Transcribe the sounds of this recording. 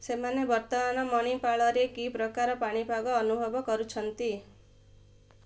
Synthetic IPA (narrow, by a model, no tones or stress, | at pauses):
semanjebʌɾt̪ɔmanʌmʌñipaɭʌɾekipɾʌkaɾʌpaɽ̃ipaɡɔːnubʱʌbɔkʌɾut͡ʃʰʌnt̪i